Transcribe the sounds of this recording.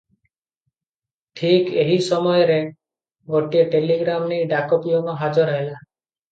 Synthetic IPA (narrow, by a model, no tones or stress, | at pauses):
ʈʰikeɦisɔmɔjɔɾe | ɡoʈieʈeliɡɾamnejɖakɔpiɔnɔɦad͡ʒɔɾɔɦela